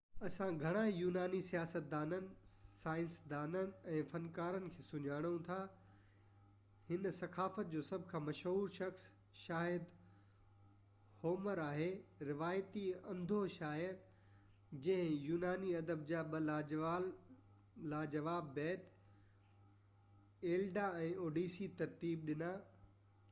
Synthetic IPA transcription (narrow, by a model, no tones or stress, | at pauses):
ɐsãɡʱɐɽ̃ajuːnaːnisijaːsət̪̚d̪aːnənɪ̆saːɪ̃nsd̪aːnənɪ̆ɛ̃ːfɐnkaːɾənɪ̆kʰeːsʊɲaːɽ̃ũt̪ʰa | hɪnsɐkʰaːfət̪̚d͡ʑoːsɐbʱkʰãːmɐʃɦuːɾʃɐxs | ʃaːɦɪd̪ | hoːməɾaːɦeːɾɪʋaːjt̪iɐ̃nd̪ʱoʃaːɦɪd̪ | d͡ʑɐ̃ɦɪ̃juːnaːniɐd̪əb̚d͡ʑaːɓɐ | laːd͡ʑɐʋaːbːɛːt̪ | eːlɖaɛ̃ːoːɖiːsit̪ɐɾt̪iːbɗɪna